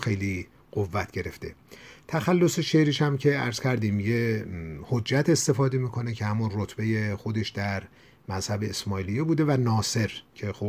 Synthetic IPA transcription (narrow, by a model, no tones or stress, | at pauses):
xe̞jli | ɢ̥ovːæt̪ʰɟe̞ɾe̞ft̪e̞̰t̪ʰæxælːo̞se̞ʃeɾiːʃæmcʰe̞æ̰ɾz̥kʲʰæɾd̪iːmjehod͡ʒːæt̪ʰe̞st̪e̞fɒːd̪emiːkʰo̞necʰehæmunrot̪ʰbe̞je̞xo̞d̪e̞ʃd̪̥æɾ | mæz̥hæbe̞ːsmɒːilijebuːd̪e̞vænɒːse̞ɾcʰe̞xo